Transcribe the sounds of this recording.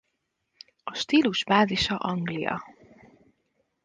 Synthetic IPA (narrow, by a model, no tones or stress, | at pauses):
ɒʃt̪iːluʒbaːziʃɒʔɒŋɡlijɒ̰